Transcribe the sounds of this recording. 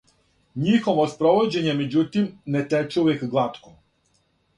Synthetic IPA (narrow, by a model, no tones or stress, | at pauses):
ɲixoʋospɾoʋod͡ʑe̞ɲemed͡ʑut̪imnet̪et͡ʃuʋekɡlˠat̪ko